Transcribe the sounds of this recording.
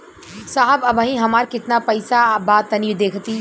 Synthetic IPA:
saɦəbəbʱəɦĩɦəmaɾkɪt̪napəɪsabat̪ːənid̪eːkʰt̪i

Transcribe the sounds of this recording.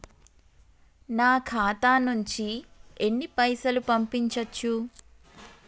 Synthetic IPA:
naːkʰaːt̪aːnuɲt͡ʃienːipɐjsɐlupɐmpiɲt͡ʃɐt͡ʃːu

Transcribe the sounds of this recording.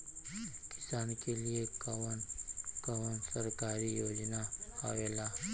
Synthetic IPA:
kɪ̥saːnkeliekwənkəwənsəɾkaːɾijoːd͡ʒnahaʋeːlaː

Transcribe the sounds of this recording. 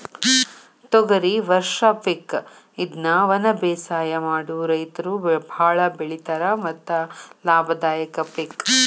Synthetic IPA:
t̪ɔɡɐɾiʋɐɾʂɐpek | id̪nɐʋɐnɐbɛːsaːjɐmaːɽuɾɐjt̪ɐɾubʱaːɭɐbeɭit̪ɐɾɐmɐt̪ːɐlaːbʱɐd̪aːjɐkɐpek

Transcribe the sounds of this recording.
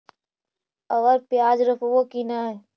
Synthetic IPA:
ɐʋəɾpjaːd͡ʒɾəpʰʋokinaɦɛː

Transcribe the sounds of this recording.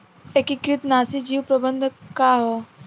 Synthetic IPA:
ekikɾɪt̪naːsid͡ʒiːwpɾəbə̃nd̪ʱkaɦo

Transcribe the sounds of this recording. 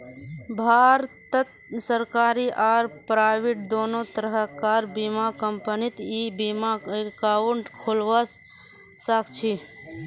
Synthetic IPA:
bʱaːɾt̪ət̪ | səɾkaːɾiʔaːɾpɾaːɪʋiʈ̚d̪oːnot̪əɾəɦəkaːɾbimakəmpənit̪ibimakaːwuɳʈkʰolʋəs | səkt͡ʃʰi

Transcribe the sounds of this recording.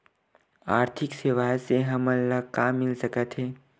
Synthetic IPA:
aːɾt̪ʰɪkseʋaːjseɦɐməlləkaːmːɪlsəkət̪ɦɛː

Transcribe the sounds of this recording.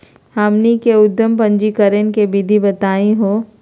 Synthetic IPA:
haːmnikeʊd̪ʱjəmpɐ̃ɲd͡ʒikəɾenkebɪd̪ʱibɐt̪aːĩɦoː

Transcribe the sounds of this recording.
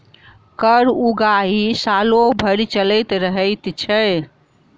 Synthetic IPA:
kəɾuɡaɦisalobʱəɾit͡ʃələjt̪ɾəɦəɪt̪t͡ʃʰɛ

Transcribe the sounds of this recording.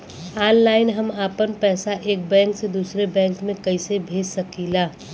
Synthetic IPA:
aːnlaːɪnɦɐmaːpənpɛːsaʔeːk̚bɛ̃ːŋksed̪uːsɾebɛ̃ːŋkmẽkɐɪsebʱeːd͡ʒsɐkiːlaː

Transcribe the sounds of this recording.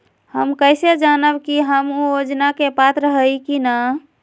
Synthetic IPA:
həmkəjsed͡ʒanəbkiɦəmujod͡ʒnakepat̪ɾəɦəjkina

